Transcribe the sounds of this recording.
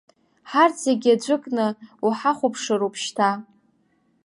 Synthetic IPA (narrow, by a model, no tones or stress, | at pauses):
ħart͡seɡʲad͡ʒʷɨkʼnɨuħaχʷʊpʰʂɨɾupʰʃtʰa